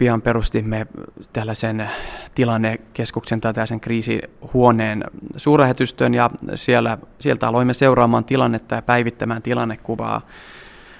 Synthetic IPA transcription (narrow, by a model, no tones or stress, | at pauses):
piɑmperust̪imːet̪ælːæsent̪ilɑnːekeskuksent̪ælt̪ælːæseŋkriːsḭhuoneːnsuːrlæhet̪yst̪ønjɑsielːæsielt̪æɑloimːeseurɑːmɑːnt̪ilɑnːet̪ːɑjɑpæiʋit̪ːæmæːnt̪ilɑnːekkuʋɑ̰ː